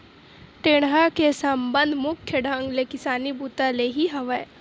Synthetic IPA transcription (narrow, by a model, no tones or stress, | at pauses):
ʈ̪eːɽ̃ɦakesɐmbə̃nd̪ʱmʊkʰjəɖʱãŋɡlekɪsaːnibuːt̪aleɦiɦɐʋəe